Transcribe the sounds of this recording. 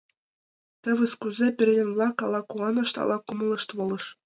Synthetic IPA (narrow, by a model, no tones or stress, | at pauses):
t̪ɤ̆ʋʲɤ̆skuzʲepʲerʲlʲɘ̆nʲblˠɑkɑlˠɑkuɑnɤ̆ʂt̪ɑ̰lˠɑkumɤ̆lˠɤ̆ʂt̪ʋɤ̆lˠɤ̆ʂ